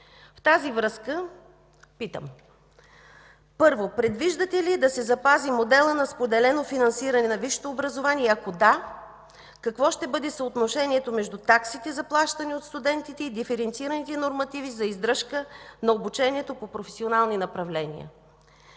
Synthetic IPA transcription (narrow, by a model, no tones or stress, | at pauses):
ft̪azivɾɤskə | pit̪ə̰m | pɤɾvopɾɛd̪viʒd̪ɐt̪ɛliɛd̪ɐsɛzɐpazimod̪ɛlˠənɐspod̪ɛlɛnofinɐnsiɾɐnɛnɐviʃt̪oːbɾɐzovaniɛɐkod̪a | kɐkvɔʃt̪ɛbɤd̪ɛsɐot̪noʃɛniɛt̪omɛʒd̪ut̪aksit̪ɛzɐplˠaʃt̪ɐniot̪st̪ud̪ɛnt̪it̪ɛid̪ifɛɾɛnt̪siɾənit̪ɛnoɾmɐt̪ivizɐizd̪ɾɤʃkənɐobut͡ʃɛniɛt̪opopɾofɛsionalˠninɐpɾɐvlɛnḭə̰